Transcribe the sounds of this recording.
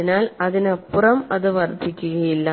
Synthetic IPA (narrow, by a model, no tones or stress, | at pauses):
inaːlɐðinɐpːurɐmɐðɨʋɐrd̪ʱːikʲːuɣɐjilːɐ